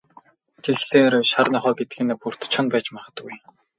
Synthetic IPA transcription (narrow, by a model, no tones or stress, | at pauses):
t̪ʰeɮɮeːrʃarnɔχɔːɡet̪ɡɘ̆npur̥t̪t͡ɕʰɔ̆npæːt͡ɕmaχə̆t̪ɡuj